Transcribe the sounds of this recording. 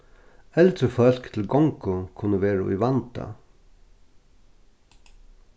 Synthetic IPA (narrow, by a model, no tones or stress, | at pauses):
ɛlt̪ɾəfœl̥kt̪ʰɪlɡɔŋkʊkʰʊnːəʋeːɹaḭʋɑnt̪a̰